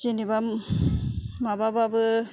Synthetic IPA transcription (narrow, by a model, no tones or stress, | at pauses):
t͡ʃiniba | mabababɯ